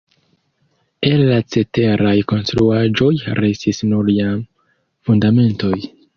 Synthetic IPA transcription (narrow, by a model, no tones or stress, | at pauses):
e̞lːat͡se̞te̞ɾajko̞nstɾuad͡ʒo̞jɾestisnuɾiam | fundame̞nto̞j